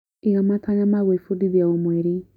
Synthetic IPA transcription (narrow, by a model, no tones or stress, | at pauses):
ijamatʰaɲamaβefudiðjaomweɾi